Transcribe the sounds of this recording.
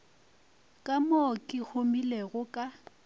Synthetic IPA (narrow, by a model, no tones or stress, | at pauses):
kʼamokʼɪk͡xomileɣʊkʼa